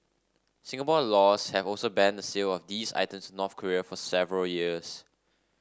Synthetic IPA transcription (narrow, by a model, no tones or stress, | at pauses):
sɪ̃ŋəpɔlɔshɛvɔlsobɛ̃ndəselɔfdisa̰ɪtə̃msnɔθkʰəɹiəfɔsɛvəɹəljiəs